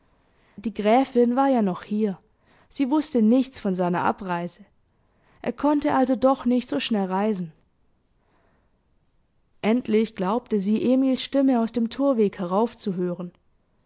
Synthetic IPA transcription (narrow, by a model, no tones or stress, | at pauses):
d̥iːɡʁɛːfɪnvaːɐjaːnɔχhiːɐ | z̥iːvʊstənɪçt͡sfɔnzaɪnɐʔa̰pʁaɪzə | ʔḛːɐkʰɔntəʔalzodɔχnɪçtz̥oːʃnɛlʁaɪzn̩ | ʔɛntʰlɪçɡ̥laʊp̚təziːʔeːmiːlsʃtɪməaʊsd̥eːmtʰuːɐveːkhɛʁ̞aʊft͡suɦøːʁən